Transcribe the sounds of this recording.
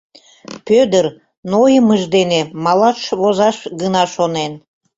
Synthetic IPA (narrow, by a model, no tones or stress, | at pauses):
pød̪ər | nojəməʒd̪enemɑlɑʃβozɑʃɡənɑʃonen